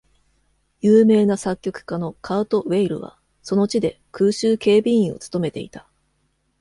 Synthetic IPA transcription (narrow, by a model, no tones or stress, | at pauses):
jɯːme̞ːnasakʲːo̞kɯ̟̥kano̞kʰaːt̪o̞βe̞iɾɯ̟̰β̞a̰ | so̞no̞t͡ɕid̪e̞ | kɯːɕɨːke̞ːbʲiĩo̞̰t͡sɨ̥t̪o̞me̞t̪e̞ḭt̪ḁ